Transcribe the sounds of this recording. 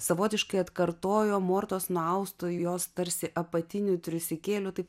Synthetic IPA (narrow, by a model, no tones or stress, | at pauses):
sɐʋoːt̪ʲɪʃkɐɪɐt̪kɐɾt̪oːjoːmoːɾt̪oːsnʊɐʊst̪ʊjjoːst̪ɐɾʲsʲɪʔɐpɐt̪ʲɪnʲʊt̪ʲɾʲʊsʲɪkʲeːlʲʊt̪ɐɪp